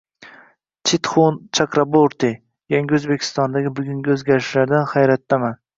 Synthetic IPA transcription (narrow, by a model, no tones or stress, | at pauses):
t͡ʃʰɪt̪χont͡ʃʰakɾaboɾt̪i | jaŋɡʲɪɵzbe̞kʲʰɪ̥st̪ɒnd̪aɡʲɪbʊɡʲʊŋɡʲaɵzɡʲaɾɪʃlaɾd̪anχajɾat̪ːaman